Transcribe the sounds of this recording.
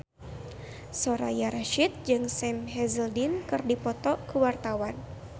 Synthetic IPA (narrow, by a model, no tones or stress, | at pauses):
sɔɾa̰jaɾaʃit̪̚d͡ʒɨŋsɛmɦɛzəldinkɨrdipɔt̪ɔkəwart̪awan